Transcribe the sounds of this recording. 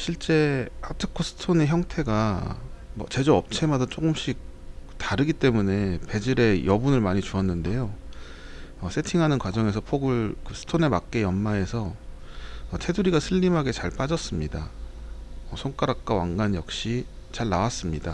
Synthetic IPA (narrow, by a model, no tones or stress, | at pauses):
ɕʰiɭt͡ɕ͈e̞atʰɯkʰosʰɯ̥tʰoneçjʌŋtʰe̞ɡa | mʌ̰t͡ɕe̞d͡ʑoʌp̚t͡ɕʰe̞madat͡ɕ͈oɡɯmɕ͈ʰik̚ | taɾɯɡit͈e̞mune̞pe̞d͡ʑiɾe̞jʌbunɯɭmaɲit͡ɕuʌnːɯnde̞jo | ʌsʰe̞tʰiŋɦanɯnkwad͡ʑʌŋe̞s̬ʰʌpʰoɡɯɭkɯsʰɯ̥tʰone̞mak̚k͈e̞jʌnːae̞sʰʌː | tʰe̞duɾiɡasʰɯʎːimɦaɡe̞t͡ɕaɭp͈ad͡ʑʌs͈ɯmɲida | ʌsʰoŋk͈aɾak̚k͈awaŋɡanjʌk̚ɕ͈i | t͡ɕaɭnawas͈ɯmɲida